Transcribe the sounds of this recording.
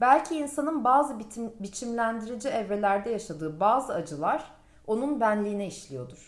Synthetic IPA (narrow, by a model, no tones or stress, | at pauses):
bælʲcʰiːnsanɯnbaːzɯbit͡ʃʰimlʲænd̪iɾid͡ʒiɛvɾe̞lʲæɾd̪ɛjaʃad̪ɯːbaːzɯad͡ʒɯlˠaɾ̥ | o̞nunbænlʲiːnɛiʃlʲijo̞d̪uɾ̥